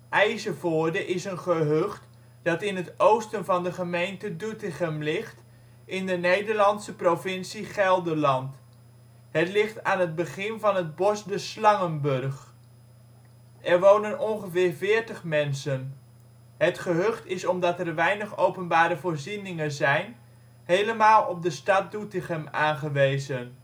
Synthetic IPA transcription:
ʔɛjzəvoːdəʔɪsənχəɦøχt | d̥ɑtɪnɦətowstənvɑndəχəmejntədutɪχəmlɪχt | ʔɪndənejdəɹlɑntsəprovɪnsiχɛlˠdəlɑnt | ɦətlɪχtaːnɦəd̚bəχɪnvɑnɦəd̚bɔsdəslɑŋənbɵrχ | ʔɛɹʋownənɔnχəvɪːɹvɪːɹtəχmɛnsən | ɦətχəɦøχtɪsɔmdɑtɛrʋɛjnəχowpənbaːɾəvʊːɹzinɪŋəzɛjn | hejləmaːlˠɔb̚dəstɑt̚dutɪχəmaːnχəʋejzən

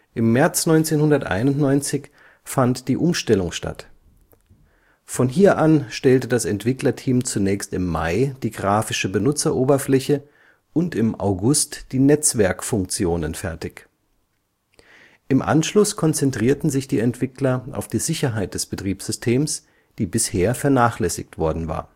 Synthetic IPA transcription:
ʔɪmːɛɐt͡snɔʏnt͡seːnhʊndɐtʔa̰ɪnʊntnɔʏnt͡sɪç | fantd̥iːʔʊmʃtɛlʊŋʃta̰t | fɔnɦiːɐʔanʃtɛltədasɛntv̥ɪklɐtʰiːmt͡sunɛːçstɪmːa̰ɪd̥iːɡʁaːfɪʃəbənʊt͡sɐʔoːbɐflɛçə | ʔʊntɪmʔa̰ʊɡʊstd̥iːnɛt͡sv̥ɛɐkfʊŋk̚t͡sjoːnənfɛɐtɪç | ʔɪmʔa̰nʃlʊskʰɔnt͡sɛntʁ̥iːɐtn̩zɪçd̥iːɛntv̥ɪklɐʔa̰ʊfd̥iːzɪçɐɦaɪt̚d̥ɛsb̥ətʁ̥iːpsz̥ʏstʰeːms | d̥iːbɪsheːɐfɛɐnaːχlɛsɪ̰çtv̥ɔɐdn̩va̰ːɐ

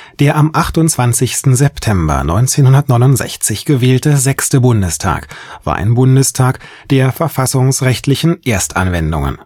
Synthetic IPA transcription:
d̥eːɐʔamʔaχtʊntt͡sv̥ant͡sɪçstn̩zɛptʰɛmbɐ̰nɔ̰ʏnt͡seːnhʊndɐtnɔʏnʊntz̥ɛ̰çt͡sɪçɡ̥əveːltəzɛkstəbʊndəstʰa̰ːkv̥a̰ːɐʔa̰ɪnbʊndəstʰaːk | d̥eːɐfɛɐfasʊŋsʁɛçtʰlɪçn̩ʔeːɐstʔa̰nvɛndʊ̰ŋə̰n

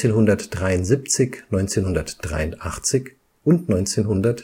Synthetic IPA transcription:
eːnɦʊndɐtd̥ʁaɪʊntz̥iːp̚t͡sɪçnɔʏnt͡seːnhʊndɐtd̥ʁa̰ɪʊntʔa̰χt͡sɪç | ʔʊntnɔʏnt͡seːnɦʊndɐt

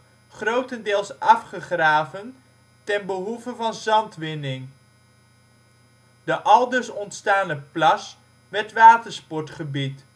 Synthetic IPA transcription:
χrowtəndɪːlˠsʔɑfχəχraːvən | tɛnbəɦuvəvɑnzɑntʋɪnɪŋ | d̥əʔɑlˠdəɹsɔntstaːnəplɑs | ʋɛɹtʋaːtəɹspɔɹtχəbit

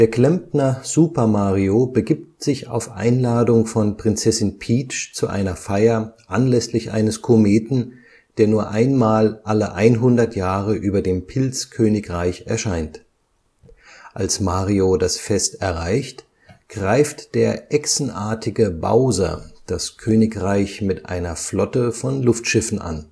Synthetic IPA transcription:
d̥eːɐkl̥ɛmpnɐz̥uːpɐmaːʁiobəɡiːp̚tz̥ɪça̰ʊfʔa̰ɪnlaːdʊŋfɔnpʁ̥ɪnt͡sɛsɪnpʰiːt͡ʃt͡suʔa̰ɪnɐfaɪɐʔanlɛslɪçʔa̰ɪnəskʰomeːtn̩ | d̥eːɐnuːɐʔaɪnmaːlʔaləʔaɪnɦʊndɐtjaːʁəʔyːbɐdeːmpʰɪlt͡skʰøːnɪkʁaɪçɛɐʃaɪnt | ʔa̰lsmaːʁiodasfɛstɛɐʁaɪçt | ɡ̥ʁaɪftd̥eːɐʔɛksn̩ʔaːɐtʰɪɡəba̰ʊzɐ̰d̥askʰøːnɪkʁaɪçmɪtʔa̰ɪnɐflɔtəfɔnlʊftʃɪfn̩ʔa̰n

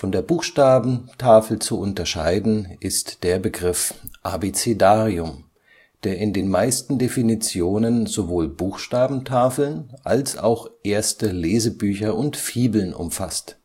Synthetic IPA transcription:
fɔndeːɐbuːxʃtaːbm̩tʰaːfl̩t͡suʔʊntɐʃa̰ɪdn̩ʔɪstd̥eːɐbəɡʁɪfʔa̰bet͡sedaːʁiʊm | d̥eːɐɪndeːnmaɪstn̩definit͡sjoːnənzovoːlbuːxʃtaːbm̩tʰaːfl̩nʔa̰lsa̰ʊxʔeːɐstəleːzəbyːçɐʔʊntfiːbl̩nʔʊ̰mfa̰st

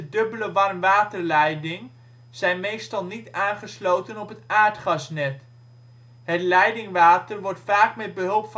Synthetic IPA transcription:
ədɵbələʋɑrmʋaːtəɹlɛjdɪŋ | z̥ɛjnmejstɑlˠnitaːnχəslowtənɔpɦətaːɹtχɑsnɛt | ɦətlɛjdɪŋʋaːtərʋɔɹtfaːkmɛd̚bəɦɵlˠpf

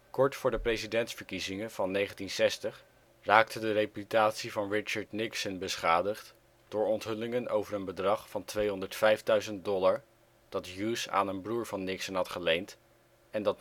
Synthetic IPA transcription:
kɔɹtfʊːɹdəprejzidɛntsfəɹkizɪŋəv̥ɑnːejχəntinsɛstəχ | raːktədərejpytaːtsivɑnɹɪt͡ʃəɹdnɪksənbəsχaːdəχt | d̥ʊːɹɔntɦɵlɪŋəno̰wvəɹənbədrɑχfɑntʋejɦɔndəɹtfɛjfdœɥzənt̚dɔlaɹ | d̥ɑtjusa̰ːnənbruːɹvɑnːɪksənɦɑtχəlejnt | ɛndɑt

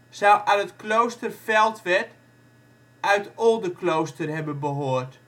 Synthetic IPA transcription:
sawʔanətklowstərfɛlˠtʋɛt | œɥtɔlˠdəklowstərhɛbənbəɦoːərt

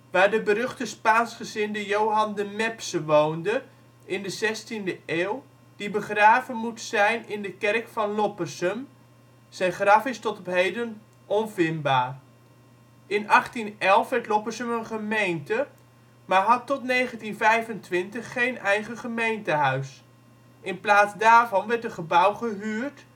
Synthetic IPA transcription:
ʋaːrdəbəɾøχtəspaːnsχəzɪndəjowɦɑndəmɛpsəʋowndə | ɪndəzɛstindəʔeːlˠ | d̥ibəχraːvənmutsɛjnɪndəkɛrkfɑnlɔpərsəm | sɛjnχrɑfɪstɔtɔpɦejdən | ɔnvɪnbaːr | ɪnʔɑχtinɛlˠfʋɛrtlɔpərsəmənχəmejntə | maːɹɦɑtːɔtnejχəntinvɛjvəntʋɪntəχːejnɛjχəχəmejntəɦœɥs | ɪnplaːsdaːrvɑnʋɛrtdəχəbawχəɦyːrt

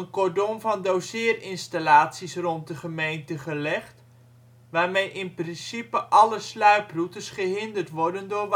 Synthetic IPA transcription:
ənkɔdomvɑndowsɪːrɪnstalaːtsisrɔnt̚dəχəmejntəχəlɛχt | ʋaːrmejʔɪnprɪnsipəʔɑləslœɥprutəsχəɦɪndərtʋɔrdəndʊːrʋ

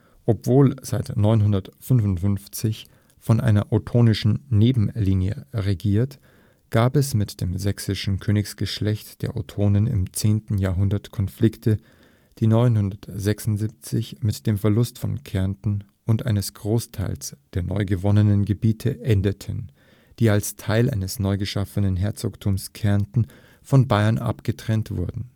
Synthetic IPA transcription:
ʔɔpv̥oːlz̥aɪtnɔʏnɦʊndɐtfʏnvʊntfʏnft͡sɪç | fɔnʔaɪnɐʔotʰoːnɪʃn̩neːbm̩liːnjə̰ʁeɡiːɐt | ɡ̥aːpɛsmɪtd̥eːmzɛksɪʃn̩kʰøːnɪksɡ̥əʃlɛçtd̥eːɐʔotʰoːnənɪ̰mt͡seːntn̩jaːɐɦʊndɐtkʰɔnflɪktʰə | d̥iːnɔʏnhʊndɐtz̥ɛksʊntzip̚t͡sɪçmɪtd̥eːmfɛɐlʊstfɔ̰nkʰɛɐntn̩ | ʔʊntʔaɪnəsɡ̥ʁoːstʰaɪlsd̥eːɐnɔ̰ʏɡəvɔnənənɡəbiːtʰəʔɛndətʰən | d̥iːalstʰaɪlʔa̰ɪnəsnɔʏɡəʃafənənɦɛɐt͡soktʰuːmskʰɛɐntn̩ | fɔnbaɪɐnʔa̰pɡ̥ətʁ̥ɛntv̥ʊ̰ɐdn̩

